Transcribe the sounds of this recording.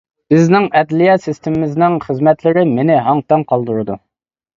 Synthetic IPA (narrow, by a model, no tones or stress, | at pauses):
b̥ɪznɪŋɛd̪lijɛt̪sɪst̪ʰɪmɪmɪznɪŋχəzmɛt̪lɪɾɪmenɪɦɑŋt̪ɛnqʰɑlˠd̪uɾɨd̪u